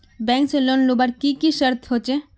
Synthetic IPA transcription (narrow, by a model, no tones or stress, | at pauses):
bɛ̃ːŋkselonlubaɾkikiʃəɾt̪ʰɦot͡ʃe